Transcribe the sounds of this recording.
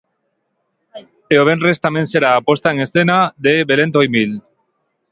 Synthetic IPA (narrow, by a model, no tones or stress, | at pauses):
eoβ̞enrest̪amenseɾaːpwo̞st̪aeŋesθenaðeβe̞le̞nt̪ojmil